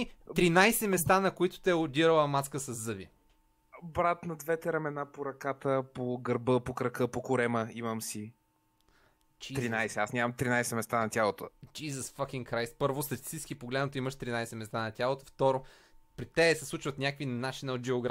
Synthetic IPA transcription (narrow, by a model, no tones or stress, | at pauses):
t̪ɾinajsɛmɛst̪anɐkoit̪ʊ̥t̪ɛod̪iɾəlˠɐmat̪skəsɐzːɤvi | bɾat̪nɐd̪vɛt̪ɛɾɛmɛnapoɾɐkat̪əpoɡəɾbəpokɾɐkəpokʊɾɛməiməmsi | t͡ʃit̪ɾinajsɛasnʲamɐmt̪ɾinajsɛmɛst̪anɐt̪ʲalˠot̪od͡ʒizəsfakʲiŋkɾajspɤɾvost̪ɐt̪i̥st̪iskʲipoɡlɛd̪not̪oimɐʃt̪ɾinajsɛmɛst̪anɐt̪ʲjalˠot̪o̥ft̪ɔɾo | pɾit̪ɛːsɛslˠut͡ʃvɐt̪nʲakvinat͡ʃinɐot̪̚d͡ʒɛoɡɾa